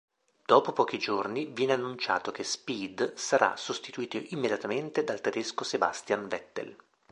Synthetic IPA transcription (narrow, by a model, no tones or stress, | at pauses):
d̪̥ɔːpopɔːk̟id͡ʒornivjɛːneanːunt͡ʃa̰ːt̪okespid̪saɾʔa̰sost̪it̪uiːt̪oʔimːed̪jat̪ament̪ed̪alt̪ed̪eskoseba̰st̪janvɛt̪ːḛl